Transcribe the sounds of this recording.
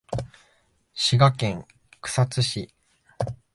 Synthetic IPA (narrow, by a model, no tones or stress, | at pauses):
ɕiɡakẽ̞ŋ | kɯ̟̥sat͡sɨɕi